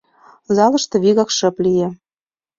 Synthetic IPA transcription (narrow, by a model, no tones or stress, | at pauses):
zɑlɤ̆ʃt̪ɤ̆βiɣɑkʃɤ̆plije